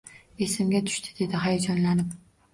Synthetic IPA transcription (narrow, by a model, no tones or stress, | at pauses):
e̞sɪmɡʲat̪ʰʊ̥ʃt̪ʰɪ̥d̪e̞d̪ɪɦajad͡ʒɒnlanɪp